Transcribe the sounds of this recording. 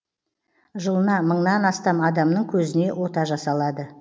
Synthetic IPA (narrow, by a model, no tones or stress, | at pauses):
ʒəlˠənɑməɴnɑnɑst̪ɑmɑd̪ɑmnəɴkʲʰɵzɪne̞wʔo̞t̪ɑʒɑsɑlˠɑd̪ə